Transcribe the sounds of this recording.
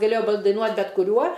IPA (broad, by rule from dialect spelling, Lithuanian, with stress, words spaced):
ɡɐˈlʲeːjoː dɐɪˈnuɔtʲ bʲɛt kʊˈrʲuɔ